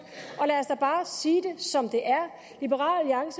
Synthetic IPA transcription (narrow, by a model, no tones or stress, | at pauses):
ɒ̽læːsd̥ɑ̈b̥ɑ̈ːsiːd̥e̝sɒ̽md̥e̝ʔæɐ | lib̥eʁɑ̰̈ːlliɑ̈ŋsə